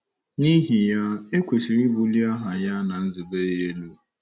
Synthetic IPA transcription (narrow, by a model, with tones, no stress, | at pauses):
ni˦ɦi˨ja˦e˦kʷe˨si˨ɾi˦bu˨li˦a˦ɦa˨ja˦na˨n̩˦zi˨ɡ͡be˦je˦e˦lu˦˨